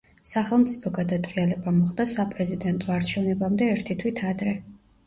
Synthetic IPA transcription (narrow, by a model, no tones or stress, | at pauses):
saχɛlˠmt̪sʼipʰɔɡad̪at̪ʼɾialɛbamɔχd̪asapʼɾɛzid̪ɛnt̪ʼɔaɾt͡ʃʰɛvnɛbamd̪ɛːɾt̪ʰit̪ʰwit̪ʰad̪ɾɛ